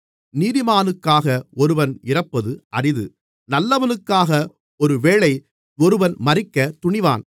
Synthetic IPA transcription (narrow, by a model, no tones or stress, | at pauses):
niːðɪmaːnɯkːaːɣɐɔɾɯʋɐnɪrɐpːɐðɯʔɐrɪðɯ | nɐlːɐʋɐnɯkːaːɣɐ | ɔɾɯʋeːɭɐɪ | ɔɾɯʋɐnmɐrɪkːɐt̪ʊɳɪʋa̰ːn